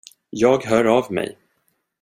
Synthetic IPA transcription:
jɑːɡɦœːɾavmɛ̰j

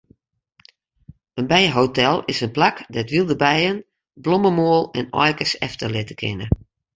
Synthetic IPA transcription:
ənbɛjɦowtɛlˠɪsənplakdɛtʋilˠdəbɛjən | bloməmoəlˠɛnɔ̰jkəsɛ̰ftəlɪtəkʰɪ̰nə

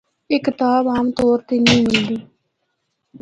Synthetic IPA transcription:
ɪkːɪt̪aːbaːmt̪oːɾt̪eːnĩːmɪld̪iː

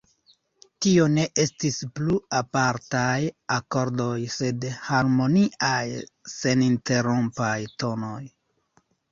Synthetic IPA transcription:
tio̞ne̞ʔe̞stispluapaɾtajako̞ɾdo̞jse̞dhaɾmo̞niʔajse̞ninte̞ɾompajto̞no̞j

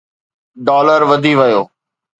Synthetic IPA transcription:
ɖɔːləɾʋəd̪ʱiːʋəjoː

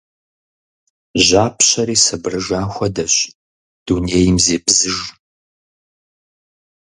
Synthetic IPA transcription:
ʑaːpʰɕɐɾiːsɐbrɨʒaːxʷɐdɐɕ | d̥uneːjɪmzeːbzɨʒ

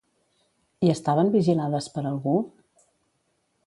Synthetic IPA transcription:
iəst̪aβəmbiʒilaðəspəɾəlˠɣu

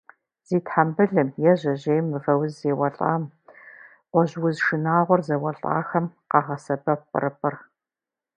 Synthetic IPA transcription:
z̥iːtħambɨɮɨmjɛʑɐʑejmɨvɐwʊzzeːwɐɬʼa̰ːm | qʷɔʑwʊzʃɨnaːʁʷɔrzɐwɐɬʼa̰ːxɐmqɑʁɐsɐbɐp̚ʷʼɨ̰rɨpʼɨr

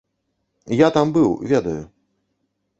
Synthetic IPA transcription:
jat̪ambɨwvʲɛd̪ɐju

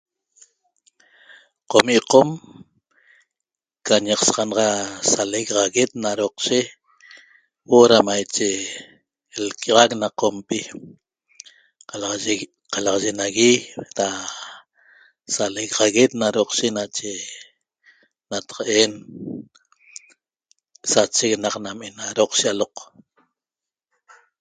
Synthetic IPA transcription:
qomiʔqom | kaɲeqsɑʁɑnʁɑsaleɣʁaɣet̪̚naɾoqʃe | woɾamajt͡ʃe | lkaʁaknaqompi | qal | qalɑʁɑʒenaɣiɾa | saleɣʁaɣet̪̚naɾoqʃenat͡ʃe | nat̪ḁqaʔeːn | sat͡ʃeknaqnamenaɾoqʃialoq

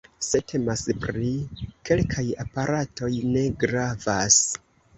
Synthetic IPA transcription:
se̞tʰe̞maspɾike̞lkʰajapaɾato̞jne̞ɡɾavas

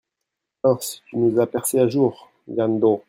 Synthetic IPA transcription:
ɔ̃ʁsi̥t̪ynuzapɛʁseaʒuʁ | ɡãnd̪o

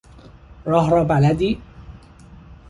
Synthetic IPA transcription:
ɾˤɑɦɾˤɑbalad̪i

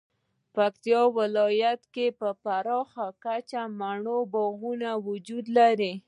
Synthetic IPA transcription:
pakt̪ijɑwɪlɑjat̪kepəpaɾɑxakat͡ʃamaɳobɔɣunawʊd͡ʒud̪laɾi

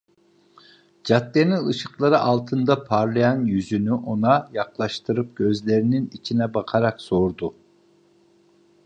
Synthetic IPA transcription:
d͡ʒat̪ːeninɯʃɯqlˠaɾɯʔalˠt̪ʰɯnd̪apʰaɾlˠajanjyzynyʔo̞najaklˠaʃt̪ʰɯɾɯp̚ɟø̞zlʲe̞ɾininit͡ʃʰinɛbaqʰaɾakso̞ɾd̪u

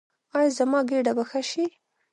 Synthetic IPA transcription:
ɑjɑzamɑɡeɖabaxaʃi

